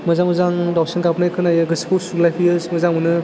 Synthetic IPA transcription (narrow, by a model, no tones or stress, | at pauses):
mɐzaŋməzaŋdawsinkap̚najkʰɯnajɯɡɯsi̥pʰuwsulajpʰijɯsmɐzaŋmɯnɯ